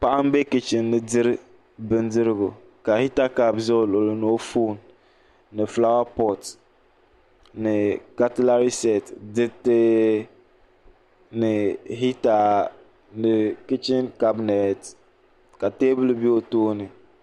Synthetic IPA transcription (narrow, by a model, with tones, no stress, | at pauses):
pa˦ʔa˦m˦be˦kɪ˨t͡ʃɪ˨nːɨ˨dɪ˦ɾɨ˦ | bɨ˦ndɨ˦ɾɪ˦ɡʊ˨ | ka˨hi˦ta˦ka˨bzlo˨lno˨˦fuː˦˨nː | ɨ˨fla˦wa˦pɔ˦t | nɨ˨ka˦tɪ˦la˦ɾi˦sɛ˨tdɪ˦tɪ˦ | nɪ˨ɦi˦ta˨ | nɪ˨kɪ˦t͡ʃɪ˦nka˦bnɛ˨t | ka˨teː˦bɨ˦lbi˦o˨toː˦nɨ˨